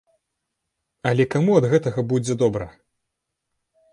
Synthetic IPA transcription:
ɐlʲɛkamuɐd̪ɣɛt̪ɐɣɐbud͡zʲɛd̪ɔbɾɐ̰

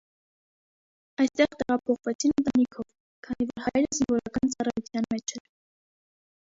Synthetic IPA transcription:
ɑjst̪ɛʁt̪ɛʁɑpʰɔχvɛt͡sʰinənt̪ɑnikʰɔv | kʰɑnivɔɾhɑjɾəzinvɔɾɑkɑnt͡sɑrɑjut͡sʰjɑnmɛt͡ʃʰɛɾ

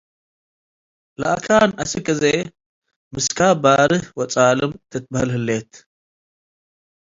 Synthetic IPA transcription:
la̰ʔkʰaːnɐsɨkʼːɨze | mɨskʰabaːɾɨhwɔt͡sʼaːlɨmt̪ʰɨt̪̚bahɨlhɨlːet̪

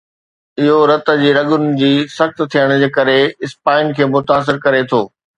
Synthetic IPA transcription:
ɪɦoɾɐt̪ə̆d͡ʑiːɾɐɠʊnɪ̆d͡ʑiːsɐxt̪t̪ʰijəɽ̃ʊ̆d͡ʑeːkɐɾeɪspaːɪnkʰeːmʊt̪aːs̬ɪɾkɐɾet̪ʰoː

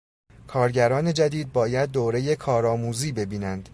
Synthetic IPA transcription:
kʰɒːɾɟæɾɒːne̞d͡ʒæd̪iːd̪̚bɒːjæd̪̚ːoːɾe̞je̞kʰɒːɾɒːmuːziːbe̞biːnænd̪̥

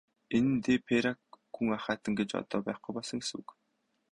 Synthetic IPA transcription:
enɘ̆nt̪eːpʰeɾakː | uŋaχaːt̪ə̆ŋɡet͡ɕɔ̰t̪ɔːpæːχɡujpɔɮsɞ̆ŋsṵk

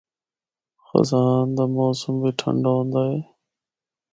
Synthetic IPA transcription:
xə̰zaːnd̪aːmoːsəmbiːʈʰə̰ɳɖoːɦõːnd̪aːɦeː

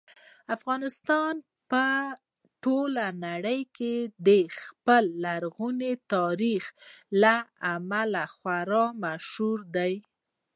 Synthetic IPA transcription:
afɣɑnɪst̪ɑn | pə | ʈolanaɽəjked̪əxpəlːaɾɣunet̪ɑɾixlaamalaxwaɾɑmaʃhuɾd̪aj

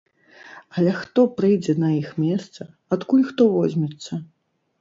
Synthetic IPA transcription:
ɐlʲɛxt̪ɔpɾɨjd͡zʲɛnɐjixmʲɛst̪sɐ | at̪kulʲxt̪ɔvɔzʲmʲɛt̪sːɐ

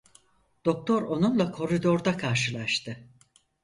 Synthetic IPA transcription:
d̪̥o̞k̚t̪ʰoɾo̞nunlˠakʰo̞ɾid̪o̞ɾd̪akʰaɾʃɯlˠaʃt̪ʰɯ

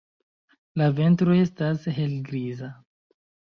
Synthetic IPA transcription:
lave̞ntɾoe̞stasɦe̞lɡɾiza

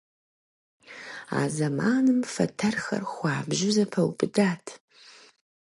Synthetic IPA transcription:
a̰ːzɐmaːnɨmfɐtʰɐrxɐ̰rxʷaːbʒɪzɐpʰɐwpʼɨdaːtʰ

